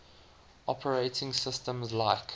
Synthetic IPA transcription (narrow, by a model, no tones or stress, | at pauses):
ʔɔpʰəɹeɪtʰɪ̃ŋsɪstə̃mzlaɪk